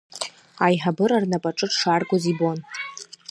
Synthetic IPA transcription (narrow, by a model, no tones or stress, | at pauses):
ajħabɨɾarnapʼaʈ͡ʂʼɨʈ͡ʂʂarɡʷʼozibon